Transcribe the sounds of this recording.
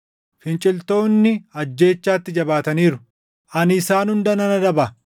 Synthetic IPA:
fɪnt͡ʃʼɪlt̪o̞ːnːɪɐd͡ʒːe̞ːt͡ʃːaːt̪ːɪd͡ʒɐbaːt̪ɐniːɾʊ̥ | ʔɐnɪsaːnhʊnd̪ɐnɐnɐd̪ɐbɐ

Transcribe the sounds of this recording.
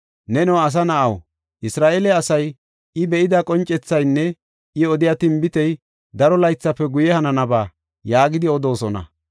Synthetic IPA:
nɛnɔːɐs̬ɐnɐʔɐw | ʔɪsɾaːʔeːlɛɐsɐj | ɪbɛʔɪd̪ɐkʼɔnt͡ʃʼːɛt͡sːɐjnːɛ | ʔɪɔd̪ɪjaːt̪ɪmbɪt̪ɛj | d̪ɐɾɔlɐjt͡sːɐpːɛɡʊjɛhɐnɐnɐbaː | jaːɡɪd̪ɪɔd̪o̞ːsɔnɐ̰

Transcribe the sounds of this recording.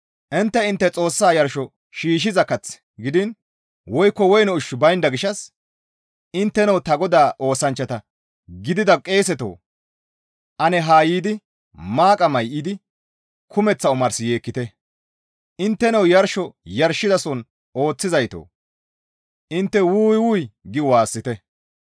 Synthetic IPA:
ʔɪnt̪ːɛɪnt̪ːɛt͡sʼo̞ːsːaːjɐɾʃɔ | ʃiːʃ̬ɪzɐkːɐt͡s | ɡɪd̪ɪn | wɔjkːɔwɔjnɔʊʃʊbɐjnd̪ɐɡɪʃːɐs | ɪnt̪ːɛnɐwt̪ɐɡɔd̪aːʔo̞ːsɐnt͡ʃːɐt̪ɐ | ɡɪd̪ɪd̪ɐkʼe̞ːsɛt̪o̰ː | ʔɐnɛɦaːjiːd̪ɪ | maːkʼɐmɐjʔɪd̪ɪ | kʰʊmɛt͡sːɐʊmɐɾsɪje̞ːkːɪt̪ɛ | ʔɪnt̪ːɛnɐwjɐɾʃɔjɐɾʃːɪd̪ɐsɔn | o̞ːt͡sːɪzɐjt̪o̰ː | ʔɪnt̪ːɛwuːjwuːjɡɪwaːsːɪt̪ɛ

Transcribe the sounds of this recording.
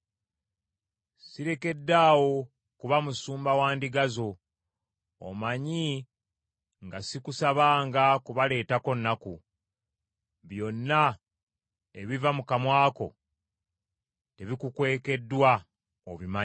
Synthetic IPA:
siɾe̞ke̞dːaːwo̞ | kuβamusuːmbawaːndiɡazo̞ | o̰maɲi | ŋɡasikusaβaːŋɡakuβale̞ːtako̞nːaku | βjo̞nːa | e̞̰βivamukamwaːko̞̰ | te̞βikukwe̞ːke̞dːwa | oβima

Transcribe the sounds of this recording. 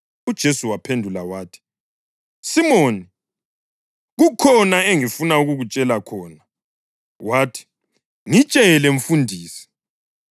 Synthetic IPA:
ud̥ʒ̥ʱesuwapʰendʱulawaːtʰi̥ | simoːni | ɣukʰɔnaeŋifunauɣuɣut͡ʃʼɛlakʰɔːna | waːtʰi̥ | ŋit͡ʃʼɛɛlɛɱ̩fundʱiːsi̥

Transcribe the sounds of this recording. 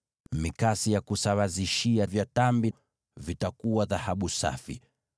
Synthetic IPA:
mikasijakusawaziʃiavjatambi | vitakuwaðahaɓusa̰fḭ

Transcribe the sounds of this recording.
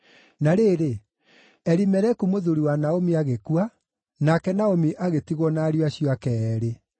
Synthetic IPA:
naɾeːɾe | ɛɾimɛɾɛkumoðuɾiwanaomiaɣekua | nakɛnaomiʔaɣetiɣwɔnaɾiwaɕiɔakɛɛɾe

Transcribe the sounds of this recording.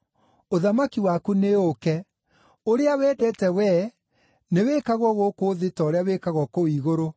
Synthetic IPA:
oðamakiwakuneokɛ | oɾeawɛːdɛtɛwɛ | newekaɣwɔɣokoðetɔɾeawekaɣwɔkowiɣoɾo

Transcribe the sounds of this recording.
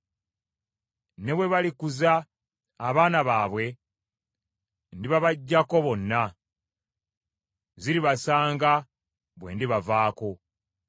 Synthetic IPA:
ne̞βwe̞βalikuzaː | βaːnaβaːβwe̞ | ndiβaβaɟːako̞βo̞nːa | ziɾiβasaːŋɡa | βwe̞̰ːndiβavaːko̞

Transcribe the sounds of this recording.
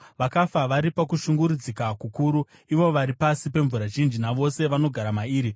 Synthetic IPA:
ʋakafaʋaɾipakuʃuŋɡuɾud͡zikakukuɾu | iʋo̞ʋaɾipasipe̞ɱvuɾaʒind͡ʒinaʋo̞se̞ʋano̞ɡʱaɾamaiːɾi

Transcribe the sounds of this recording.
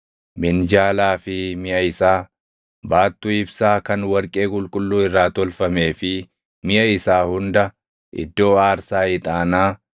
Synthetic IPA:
mɪnd͡ʒaːlaːfɪmɪʔɐɪsaː | baːt̪ːʊɪbsaːkɐnwɐɾkʼe̞ːkʼʊlkʼʊlːuːɪrːaːt̪ɔlfɐme̞ːfɪ | mɪʔɐɪsaːhʊnd̪ɐ | ʔɪ̰d̪ːo̞ːaːɾsaːɪt̪ʼaːnaː

